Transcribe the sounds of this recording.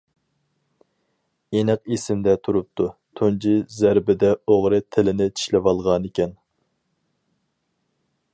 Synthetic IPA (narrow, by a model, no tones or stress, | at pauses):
enɨqesɪmd̪ɛt̪ʰuɾup̚t̪ʰut̪ʰund͡ʒizæɾbɪd̪ɛoʁɾɨt̪ʰɪlɪnɪt͡ʃ̪ʰi̥ʃlɛvɑlˠʁɑnɪkʲɛn